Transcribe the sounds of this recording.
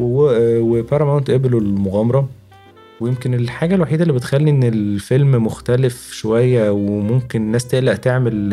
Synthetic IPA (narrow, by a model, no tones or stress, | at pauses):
ewwepæɾˤɑmæwent̪ʔebelolmoɣæmɑɾˤɑ | wejemkenelħaːɡælwaħiːd̪ælːiːbet̪xælːiʔenːelfelmmoxt̪ælefʃowæjːæwemomkenenːæːst̪eʔlæʔt̪eʕmel